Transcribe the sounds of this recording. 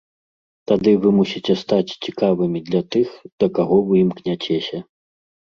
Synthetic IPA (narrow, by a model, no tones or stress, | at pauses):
t̪ad̪ɨvɨmusʲit͡sʲɛst̪at͡sʲt͡sʲikavɨmʲid̪lʲɐt̪ɨxd̪̥ɐkaɣɔwjimknʲat͡sʲɛsʲɐ